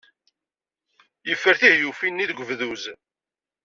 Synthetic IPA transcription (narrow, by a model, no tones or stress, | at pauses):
jəfːəɾθihjufinːiðɡʷəvðuz